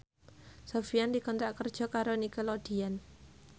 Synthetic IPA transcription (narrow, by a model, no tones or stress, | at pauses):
sofijandikɔnt̪ɾaʔkərd̥ʒ̥ɔ̤kaɾonikəlɔd̥ian